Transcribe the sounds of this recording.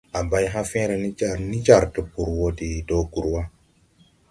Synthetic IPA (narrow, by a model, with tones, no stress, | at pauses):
a˨ba˦jɦã˦fɛ̃˦ɾe˨ni˦d͡ʒa˨ɾni˦d͡ʒa˦˨ɾtə˨pu˨ɾwo˦di˨do˦ɡu˨ɾwa˦